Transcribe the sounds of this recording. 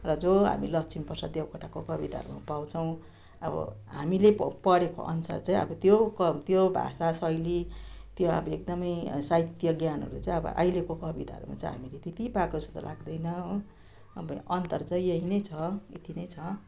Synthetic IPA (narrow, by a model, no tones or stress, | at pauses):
rʌd͡zoɦa̰mḭlʌksʰinpʌsad̪jewkʰɔʈakokʌbit̪a̰ɦʌ̰ɾuma̰paw̃t͡sʰʌw̃ | ʌbʌ̰ | ɦamilepʌɽeko̰ʔʌ̰nsa̰rt͡saĩʌ̰bʌt̪jokʌt̪jobʱa̰sasʌjlit̪joʌ̰bʌek̚d̪ʌmʌjsajt̪jʌɡjanɦʌ̰ɾut͡saĩʌbʌ̰ʔa̰jlekokʌbit̪a̰ɦʌ̰ɾuma̰t͡saiɦa̰milet̪it̪ipakosut̪a̰lʔaɡd̪ʌjnʌ | ʌ̰bʌʌnt̪ʌrt͡sʌĩeɦinʌjt͡sʰʌit̪inʌjt͡sʰʌ